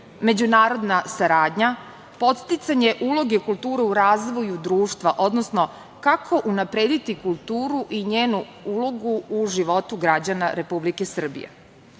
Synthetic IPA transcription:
me̞d͡ʑunaːɾo̞d̪nasaɾaːd̪ɲa | po̞t̪st̪it̪saɲe̞ʔulo̞ɡekulˠt̪uːɾeuɾaːzʋo̞jud̪ɾuːʃt̪ʋaʔo̞d̪nosno̞ | kakʰo̞ʔunapɾed̪it̪ikulˠt̪uːɾuʔiɲeːnu | ulo̞ɡuːʒiʋo̞t̪uɡɾad͡ʑanaɾe̞publikesr̩bḭjḛ

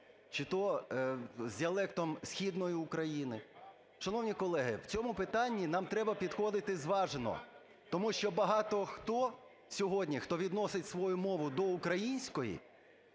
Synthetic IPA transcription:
t͡ʃɪt̪ɔ | zʲdʲiɐlˠɛkt̪ɔmsʲxʲid̪nɔjiʊkɾɐjinɪ | ʃɐnɔwnʲikɔlˠɛɦɪwt͡sʲɔmʊpɪt̪ɑnʲːinɑmt̪ɾɛbɐpʲid̪xɔd̪ɪt̪ɪzʋɑʒenɔ̰ | t̪ɔmuʃt͡ʃɔbɐɦɑt̪ɔxt̪ɔ | sʲɔɦɔdʲnʲixt̪ɔʋʲid̪nɔsɪtʲsʋɔjʊmɔʋʊd̪ɔukɾɐjinʲsʲkɔjḭ

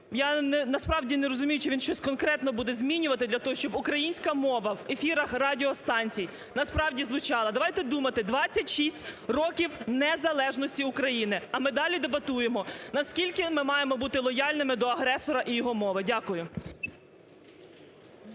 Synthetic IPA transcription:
janɛnɐspɾɑwdʲineɾɔzʊmʲijʊt͡ʃɔʋʲinʃt͡ʃɔsʲkɔnkɾɛt̪nɔbud̪ɛzʲmʲinʲʊʋɐt̪ɪd̪lʲɐt̪ɔɦɔʃt͡ʃɔbʊkɾɐjinʲsʲkɐmɔʋɐwefʲiɾɐxrɑdʲɪɔst̪ɑnʲt͡sʲij | nɐspɾɑwdʲizlˠʊt͡ʃɑlˠɐd̪ɐʋɑjt̪ɛd̪umɐt̪ɪd̪ʋɑt͡sʲːɐtʲʃisʲtʲrɔkʲiwnɛzɐlˠɛʒnɔsʲtʲiʊkɾɐjinɪɐmɪd̪ɑlʲid̪ebɐt̪ujemɔnɐskʲilʲkɪmɪmɑjemɔbut̪ɪlˠɔjɑlʲnɪmɪd̪ɔɐɦɾɛsɔɾɐʔijɔɦɔmɔʋɪdʲakʊjʊ

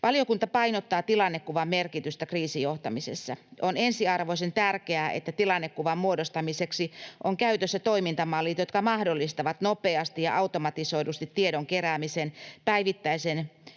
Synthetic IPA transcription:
ʋɑliokunt̪ɑpɑinot̪ːɑːt̪ilɑnːekːuʋɑmmerkit̪yst̪ækriːsijoht̪ɑmisesːɑonensiɑrʋoisent̪ærkeæːʔḛt̪ːæt̪ilɑnːekːuʋɑmmuodost̪ɑmiseksiʔoŋkæyt̪øsːæt̪oimint̪ɑmɑlːit̪jot̪kɑmɑhdolːist̪ɑʋɑt̪nopeɑst̪ijɑ̰ʔɑut̪omɑt̪isoidust̪it̪ːieɾoŋkeræːmisenpæiʋit̪ːæisen

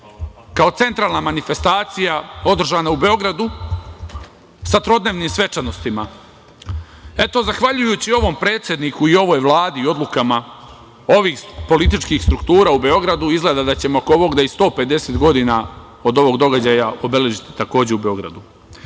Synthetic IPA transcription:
kao̞t̪se̞nt̪ɾaːlnamanife̞st̪aːt̪sijao̞d̪r̩ʒaːnaube̞o̞ɡɾad̪u | sat̪ɾo̞d̪neːʋniːmsʋe̞t͡ʃano̞st̪ima | e̞t̪o̞zaxʋaʎujuːt͡ɕio̞ʋo̞mpɾe̞ːt̪sjed̪niːkuio̞ʋo̞jʋlˠaːd̪io̞d̪lukama | o̞ʋiːxpo̞lit̪it͡ʃkiːxst̪ɾukt̪uːɾaːube̞o̞ɡɾad̪uizɡle̞d̪ad̪at͡ɕe̞mookooʋo̞ɡd̪aist̪o̞ːpe̞d̪e̞seːt̪ɡo̞d̪ina | o̞d̪o̞ʋo̞ɡ̚d̪o̞ɡad͡ʑajao̞be̞le̞ʒit̪i̥t̪ako̞ːd͡ʑe̞ube̞o̞ɡɾa̰d̪u

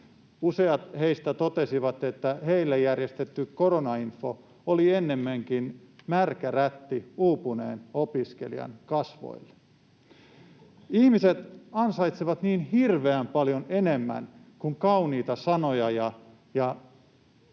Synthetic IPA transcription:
useɑt̪heist̪æt̪ot̪e̞siʋɑt̪e̞t̪ːæheilːæjærjest̪et̪ːyko̞ɾonɑinfo | olienːe̞mːæŋkin | mærkæræt̪ːiuːpunḛːnopiske̞̰lḭɑ̰nkɑsʋo̰ilːe | ihmiset̪ɑnsɑjt̪siʋɑt̪niːnhirʋeæmpɑljone̞nemːæ̰nkuŋkɑuniːt̪ɑsɑnojɑjɑ | jɑ

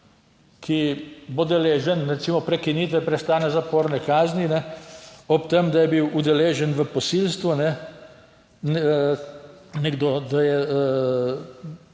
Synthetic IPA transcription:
kʰibod̪ɛleːʒɛnɾɛt̪siːmɔpɾɛkinit̪ʋɛpɾɛst̪aːnɛzapoːɾnɛkaːzninɛ | ɔpt̪əmd̪ajɛbiwʔud̪ɛleːʒənʋəpɔsilst̪ʋunɛ | n | nɛɡd̪od̪ajɛ

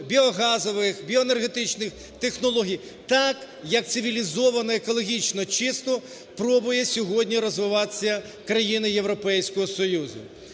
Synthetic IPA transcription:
bʲiɔɦɑzɔʋɪxbʲiɔnerɦet̪ɪt͡ʃnɪx | t̪e̞xnɔlˠɔɦʲij | t̪ɑk | jɐk̚t̪sɪʋʲilʲizɔʋɐnɐekɔlˠɔɦʲit͡ʃnɔt͡ʃɪst̪ɔ | pɾɔbʊjɛsʲɔɦɔdʲnʲiɾɔzʋɪʋɑt̪ɪ̥sʲːɐ | kɾɐjinɪjewɾɔpɛjsʲkɔɦɔsɔjuzʊ̰

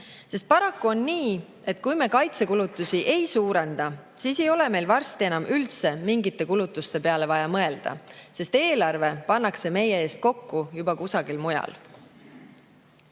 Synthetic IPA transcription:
se̞st̪̚pɑɾɑkːuo̞nːiː | e̞t̪̚ːˑkujme̞kɑjt̪se̞kulut̪ːˑusiʔe̞jsuːɾe̞nd̪̥ɑsiːse̞jo̞le̞me̞jlvɑrst̪ie̞nɑmʔylt̪se̞miŋɡit̪ːˑe̞kulut̪ːˑust̪e̞pe̞ɑle̞vɑjɑmɤe̞ld̪̥ɑ̰se̞st̪e̞ːlɑrve̞pɑnːɑkse̞me̞je̞e̞ːst̪̚ko̞kːujubɑkusɑɡilmujɑ̰l

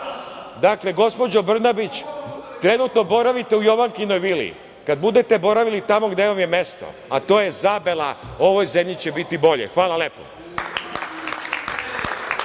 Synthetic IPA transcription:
d̪akle̞ɡo̞spo̞d͡ʑo̞br̩nabit͡ɕt̪ɾe̞nut̪no̞bo̞ɾaʋit̪e̞ujo̞ʋaŋkinojʋilḭ | kad̪̚bud̪e̞t̪ebo̞ɾaʋilit̪amo̞ɡd̪eʋamje̞me̞st̪o̰ | at̪o̞ːjezabelˠao̞ʋo̞jze̞mʎit͡ɕebit̪ibo̞ʎḛxʋaːlˠale̞ːpo̰

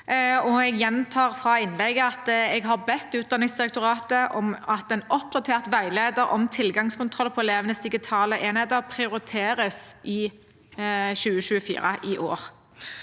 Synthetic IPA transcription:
ɔɛɡjɛnt̪ʰɑːʁfʁɑɪnlɛɡəɑt̪ɛɡɦɑʁbɛt̪ːʉːt̪̚d̪ɑnɪŋsd̪ɪʁɛk̚t̪ʊʁɑːt̪əʔɔmɑt̪ɛnɔpd̪ɑt̪ʰeːʁt̪ʋæɪleːd̪əɾɔ̰mt̪ʰɪlɡɑŋskʊnt̪ʰʁɔlpʰɔɛleːʋənəsd̪ɪɡɪt̪ʰɑːləʔeːnheːd̪əʁpʰʁɪʊɾɪt̪ʰeːʁəsʔɪ | ʃʉːəʃʉːəfḭːʁə̰ʔɪʔo̰ːʁ

